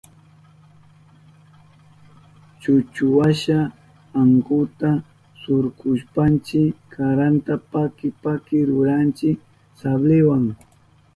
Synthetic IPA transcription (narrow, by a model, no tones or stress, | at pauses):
t͡ʃʊt͡ʃʊwaʃa | aŋkʊt̪a | sʊɾkʊʃpant͡ʃɪkʰaɾant̪apakɪpakɪɾʊɾant͡ʃɪk | sablɪwaŋ